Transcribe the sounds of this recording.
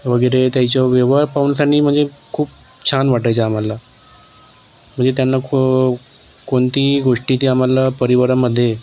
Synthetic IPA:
ʋəɡəjɾet̪jat͡ɕjɔʋjeʋaɾpauːnsaɳiːm̤əɳd͡zekʰuːp̚ | t͡ɕʰanʋaʈajt͡saamala | m̤əɳd͡zet̪janːa | koɳt̪iːɡoʂʈit̪iːamalːapəɾiʋəɾaməd̪ʱːje

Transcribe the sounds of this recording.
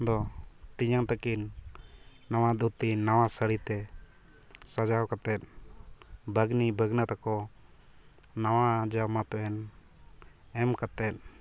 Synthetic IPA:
d̪ɔt̪iɲaŋt̪akinː | awad̪ut̪iːawasəɽit̪ɛ | sad͡ʒawkat̪ɛt̪̚ | bʱəɡnibʱəɡnat̪akɔ | nawad͡ʒamap̪ɛn | ɛmkat̪ɛt̪̚

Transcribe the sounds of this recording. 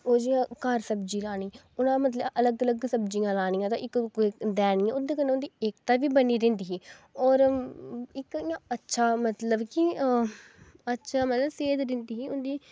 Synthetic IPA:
oːd͡ʒiːãːkəɾsəbd͡ʒiːlaːɽ̃iː | ʊnãːmət̪̬ləbələɡələɡsəbd͡ʒijãːlaːnijãːt̪ãːʔɪkkːiːd̪ɛːniːãːʊd̪eːkənːeːʊnd̪iːeːkt̪aːʋiːbəniːɾɪ̃ːnd̪iːɦiːɔːɾ | ɪkijãːətːʃʰaːmət̪ləbkiə | ətːʃʰaːmət̪ləbseːd̪ɾɪnd̪iːɦiːʊnd̪iː

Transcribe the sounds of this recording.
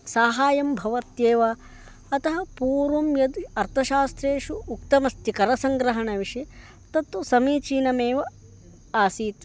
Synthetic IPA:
saːɦaːjɐmbʱɐʋɐɾt̪jeːʋa | ɐt̪ɐɦɐpuːɾʋɐmjɐd̪ɐɾt̪ʰɐʃaːst̪ɾeːʂuːkt̪ɐmɐst̪ikɐɾɐsɐŋɡɾɐɦɐɳɐʋiʂi | t̪ɐt̪ɐsɐmiːt͡ʃiːnɐmeːʋɐ | aːsiːt̪

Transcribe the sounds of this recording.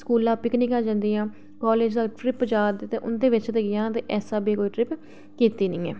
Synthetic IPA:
skuːlãːpɪkniːkaːd͡ʒãnd̪iːãː | kɔːleːd͡ʒd̪aːʈɾɪpd͡ʒaːd̪eːt̪eːʔʊnd̪eːʋɪt͡ʃt̪eːɡɪjãːt̪eːʔɛːsaːbiːkoːiːʈɾɪp | kiːt̪iːnɪĩːɛː

